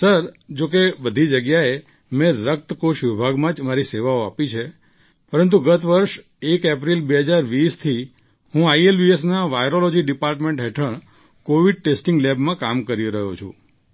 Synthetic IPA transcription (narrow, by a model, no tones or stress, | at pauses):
səɾd͡ʒok̬ebəd̪ʱid͡ʒəɡjae | mɛ̃ɾək̚t̪koʃʋibʱaɡmãd͡ʒmaɾiseʋaoapit͡ʃʰe | pəɾənt̪uɡət̪ʰʋəɾʃ | ekep̬ɾilbeɦəd͡ʒaɾʋist̪ʰi | ɦũajelbiesnaʋajɾolod͡ʒiɖipaɾʈmẽɳʈɦɛʈʰəɳ̃ | koʋiɖ̚ʈesʈiŋɡlɛbmãkamkəɾiɾəɦot͡ʃʰṵ̃